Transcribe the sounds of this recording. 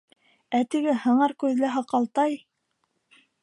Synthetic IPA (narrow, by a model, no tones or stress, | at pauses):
æt̪ɘ̆ɡɘhɤ̆ɴɑɾkʉðlæɦɑqɑlˠt̪ɑj